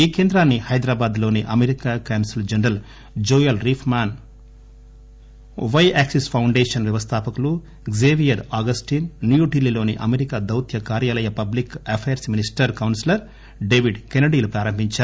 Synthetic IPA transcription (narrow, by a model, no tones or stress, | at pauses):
iːkeːnd̪ɾaːnːihɐjd̪ɾaːbaːd̪lo̞ːniʔɐmeɾikaːkaːnsild͡ʒɐɳɾɐl | d͡ʒoːjɐlɾiːpʰmaːn | ʋɐjaːksispʰɐwɳɖeːʂɐnʋjɐʋɐst̪ʰaːpɐkulu | ɡzeːʋijɐɾaːɡɐsʈiːnːjuɖilːilo̞ːniʔɐmeɾikaːd̪ɐwt̪ʰjɐkaːɾjaːlɐjɐpɐblikɐpʰeːɾsminisʈɐɾkɐwnsilɐɾ | ɖeːʋiɖkenɐɖiːlupɾaːɾɐmbʱiɲt͡ʃaːɾu